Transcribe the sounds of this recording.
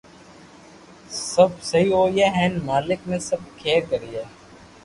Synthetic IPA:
sɐbsɐɦioːjeːɦɛːnmaːlɪknẽsəb̚kʰeːkəɾiːeː

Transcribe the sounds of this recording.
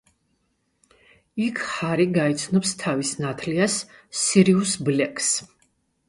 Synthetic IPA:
ikʰχaɾiɡaɛt̪sʰnɔpst̪ʰavisnat̪ʰliasːiɾiusblɛkʰs

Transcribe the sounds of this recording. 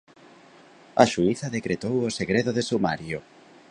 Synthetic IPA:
ɐʃuiθɐðekɾet̪owoseɣɾeðoðesumaɾjo

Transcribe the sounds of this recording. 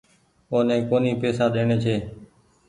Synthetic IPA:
oːnẽːkoːniːpeːsãːɗeːɳeːt͡ʃʰeː

